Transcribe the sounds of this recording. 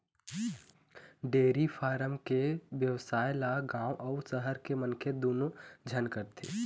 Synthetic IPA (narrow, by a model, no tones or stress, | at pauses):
ɖeːɾifʰaːɾəmkeʋjəʋsaːɪlaɡãːʔɔːɾsəɦəɾkemənkʰed̪oːnod͡ʒʱənkəɾt̪ʰḛː